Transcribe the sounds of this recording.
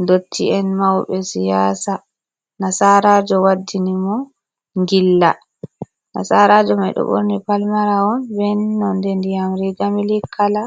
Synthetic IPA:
ndotʰːiɛnmawɓɛsijaːsa | nasaɾad͡ʒɔwadːinimɔ | ŋɡilːa | na̰saɾad͡ʒɔmajɗɔ̰ɓo̰ɾnipalmaɾaɔnbɛnːɔndɛndijamɾiɡamilikʰːala

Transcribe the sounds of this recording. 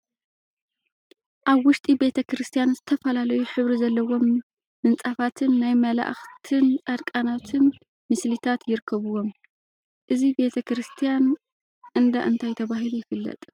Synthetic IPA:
ʔaβwʊʃt̪ʼibe̞t̪ʰɐkɾɨst̪ʰijanzɨt̪ʰɐfɐlalɐjuħɨβɾizɐlːɐwo̞m | mɨnt͡sʼafat̪ʰɨnːajmɐla̰ʔxt̪ʰɨnt͡sʼad̪kʼanat̪ʰɨn | mɨslit̪ʰat̪jɪɾkʰːɐβɨwo̞m | ʔɨzibe̞t̪ʰɐkɾɨst̪ʰijan | ʔɨnd̪aʔɨnt̪ʰajt̪ʰɐβaɦilujɪfɨlːɐ̰t̪ʼ

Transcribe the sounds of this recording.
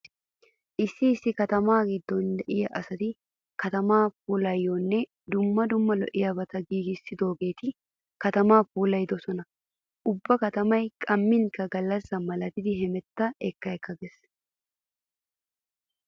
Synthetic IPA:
ʔɪsːɪːsːɪkɐt̪ɐmaːɡɪd̪ːɔnd̪ɛʔɪjɐʔɐsɐd̪ɪ | kɐt̪ɐmaːpuːlɐjːonːɛ | d̪ʊmːɐd̪ʊmːɐlɔ̰ʔɪjɐbɐt̪ɐɡiːɡɪsːɪd̪o̞ːɡe̞ːt̪ɪ | kɐt̪ɐmaːpuːlɐjd̪ɔsɔnɐ | ʔʊbːɐkɐt̪ɐmɐjkʼɐmːɪŋkɐɡɐlːɐsːɐmɐlɐt̪ɪd̪ɪɦɛmɛt̪ːɐɛkːɐɛkːɐɡes

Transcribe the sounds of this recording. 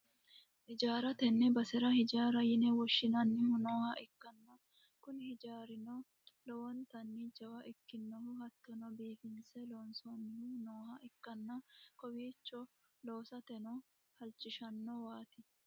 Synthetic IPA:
ʔɪd͡ʒaːɾɐt̪ɛnːɛbɐsɛɾɐhɪd͡ʒaːɾɐjɪnɛwɔʃːɪnɐnːɪhʊnoːhɐʔɪkːɐnːɐ | kʊnhɪd͡ʒaːɾɪnɔ | lɔwɔnt̪ɐnːid͡ʒɐwɐʔɪkːɪnːɔhʊhɐt̪ːɔnɔbiːfɪnsɛloːnsonːɪhʊnoːhɐʔɪkːɐnːɐkɔwiːt͡ʃːɔ | loːsɐt̪ɛnɔ | hɐlt͡ʃːɪʃɐnːɔwaːt̪ɪ

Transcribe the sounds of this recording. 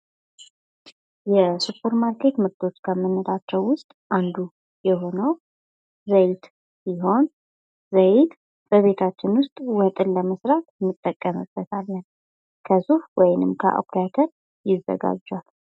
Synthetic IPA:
jɛsupʰːəɾmaɾkʰe̞t̪mɨɾt̪ʰʼo̞t͡ʃːkʰəmɨnːɨɾat͡ʃːɛwːʊst̪ʼʔand̪u | jɛɦo̞nəw | zəjt̪ | jiɦo̞n | zəjt̪ | b̥əβe̞t̪ʰat͡ʃːɪnwʊst̪ʼwɔt̪ʼɨlləməsɾat̪mɨt̪ʼːəkʼːəmə̰b̥ət̪ʰalːən | kʰəsufwɔjnɨmkʰə̰ʔo̰kat̪ʰəɾ | jɪzːə̰ɡa̰d͡ʒːal

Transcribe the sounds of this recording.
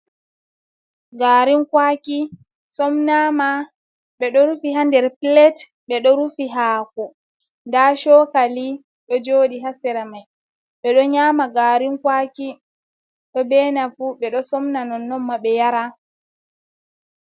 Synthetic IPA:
ɡaːɾinkwaki | sɔmnama | ɓɛɗɔɾufiɦandɛɾpilɛt | ɓɛɗɔɾufiɦaːkɔ | ndaʃɔkali | ɗɔd͡ʒoːɗiɦasɛɾamaj | ɓɛɗɔɲaːmaɡaɾinkwaki | ɗɔbɛːnafuɓɛɗɔsɔmnanɔnːɔmːaɓɛjaɾa

